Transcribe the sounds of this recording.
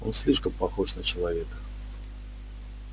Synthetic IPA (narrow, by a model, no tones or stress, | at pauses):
o̞̰nsʲlʲiʂkəmpɐxoʂnət͡ɕɪlˠɐvʲe̞kə